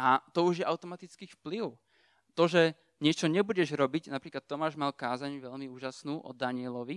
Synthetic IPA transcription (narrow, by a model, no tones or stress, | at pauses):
ʔat̪ɔuʒjɛʔaʊt̪ɔmat̪it͡skiːfpliʊ | t̪ɔʒɛ | ɲɪɛt͡ʃɔɲɛbuɟɛʒɾɔbiɟnapɾiːklat̪ːɔmaːʒmalkaːzaɲʋɛʎmiuːʒasnuːʔɔ̰d̪aɲɪɛlɔʋi